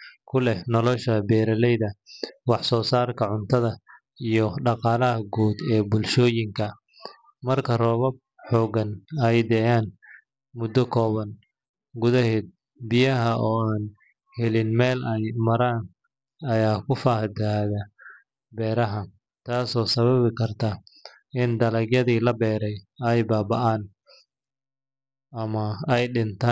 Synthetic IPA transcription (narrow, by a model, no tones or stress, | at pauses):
kʰʊlɛnɔlɔʃɐbɛːɾɐlɛjðɐwɑħsɔːsaːrkʰɐʕʊnt̪ʰɐðɐ | ijɔɖɑqɑːlɐɦɐɡuːd̪ɛːbʊlʃɔːjɪŋkʰɐ | mɐrkʰɐrɔːβɐb̚ | ħɔːɡɐnɐjd̪ɛjaːn | mʊd̪ːɔkʰɔːβɐn | ɡʊðɐɦɛːd̪̚ | bɪjɐɦɐʔɔːaːn | hɛlɪnmɛːlɛjmɐɾaːn | ɐjaːkʰʊfaːhd̪aːðɐ | bɛːɾɐɦɐ | t̪ʰaːsɔːsɐβɐβɪkʰɐrt̪ʰa | ɪnd̪ɐlɐɡjɐðiːlɐbɛːɾɛjɛjbaːbɐʔaːn | ɐmɐɛjɗɪnt̪ʰaː